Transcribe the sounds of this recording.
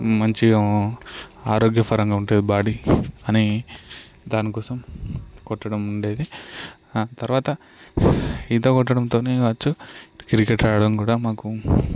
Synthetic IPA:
mɐɲt͡ʃi | aːɾoːɡjɐpʰɐɾɐŋɡaːuɳʈeːd̪ibaːɽiɐni | d̪aːnikɔːsɐmkɔʈːɐɽɐmuɳɖe̞ːd̪i | t̪ɐɾʋaːt̪ɐ | int̪oːkɔʈːɐɽɐmt̪o̞ːneːʋɐt͡ʃːukɾikeʈaːjɐɽɐmkuːɽaːmaːku

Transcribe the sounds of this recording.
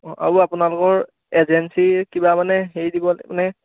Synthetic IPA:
a̰ɹuapunalʊkɔɹ | ezɛnsikibamanɛxejdibɔmanɛ

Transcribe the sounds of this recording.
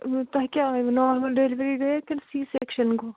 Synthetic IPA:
t̪ɐɦkʲjanɔːɾmɐlɖeliʋɾiɡɐkɪnsiːseːkʃənkoː

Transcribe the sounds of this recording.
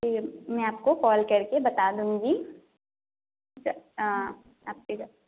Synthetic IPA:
emɛ̃aːp̚kokɔːlkɐɾkebɐt̪aːd̪ũːd͡ʒiː | t͡ʃaa | aːp̚ked͡ʒa

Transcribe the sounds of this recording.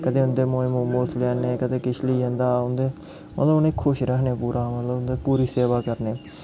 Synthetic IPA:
kət̪eːʊnd̪eːmoːeːmoːmoːslaːneːkət̪eːkɪt͡ʃliːɦə̃nd̪aːʊnd̪eː | mə̰t̪ləbʊneːkʰːʊʃɾəɦneːpuːɾʔãːmət̪ləbʊnd̪eːpuːɾiːseːʋaːkəɾneː

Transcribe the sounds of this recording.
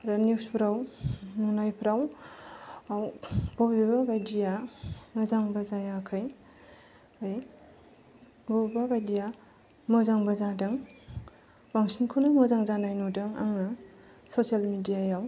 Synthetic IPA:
ɾaniwspʰɾawnuŋnajpʰɾaw | awb̥ɔbibabajdijamazaŋbazajakʰaj | aj | ɡɔbbabajdija | mɯzaŋbazadɐŋ | baŋsinkʰunamazaŋzanajnodɯŋa̰ŋa | sosijalmidijajaw

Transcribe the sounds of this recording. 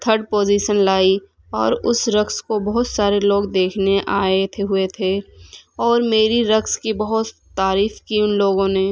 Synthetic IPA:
t̪ʰəɾɖ̚poːd͡ʒiːʃənlaːi | ɔ̰ːɾʊsɾɐkskobɐɦʊt̪saːɾeloːɡd̪eːkʰneʔaːet̪ʰeɦʊet̪ʰeːɔːɾmeːɾiɾɐkskibɐɦʊt̪ːaːɾiːfkiʊnloːɡõneː

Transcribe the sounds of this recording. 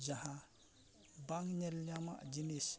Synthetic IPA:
d͡ʒaha | baŋɲelɲama̰d͡ʒinis

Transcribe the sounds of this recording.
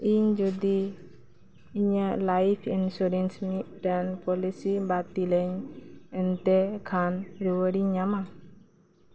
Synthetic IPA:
ʔiɲd͡ʒudi | ɲəlaifinsuɾɛnsmit̪̚dənpolisibat̪iləɲənt̪ekʰanɾuwəɾiɲama

